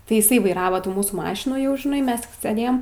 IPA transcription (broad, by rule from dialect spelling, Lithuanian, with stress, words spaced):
tɐɪ ɪˈsɐɪ ʋɐɪˈrɑːʋɐ ˈtuː ˈmuːsuː ˈmɑːʃʲɪnuː jɛʊ ʒʲɪˈnɐɪ ˈmʲɛs tʲɪk sʲɛˈdʲeːjɛm